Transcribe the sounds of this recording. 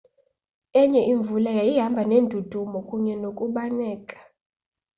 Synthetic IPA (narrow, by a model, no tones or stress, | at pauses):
ɛɲɛʔiɱvulajajiɦambʱanendʱud̥ʱumɔkʼuɲɛnokʼuɓanɛːkʼḁ